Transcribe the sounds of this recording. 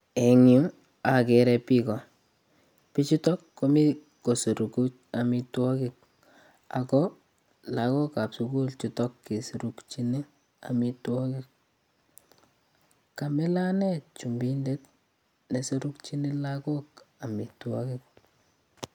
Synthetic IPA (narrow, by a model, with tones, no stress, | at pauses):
e˨ŋju˦ | a˨keɾɛpi˦kɔ˨ | pi˦t͡ʃi˦tɔ˦kːo˦mi˦ | ko˨so˨ɾu˨ku˦t͡ʃa˨mi˧twɔ˦ki˨k̚ | a̰˨kɔ | la˨ko˦ka˨psu˨ku˦lt͡ʃutɔ˦kːe˨su˨ɾu˦kt͡ʃi˦ne˦ | a̰mi˦twɔ˦kik̚ | ka˨me˦la˦nɛ˦t̚t͡ʃu˨mbinde˦t̚ | ne˨so˦ɾu˦kt͡ʃi˦ne˦lako˦ka˨mi˨twɔ˦kik̚